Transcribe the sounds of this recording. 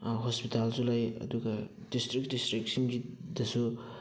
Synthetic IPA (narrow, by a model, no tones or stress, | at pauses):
ɦɔspitalzulajɐ̰duɡadistɾik̚distɾik̚simɡidɐsu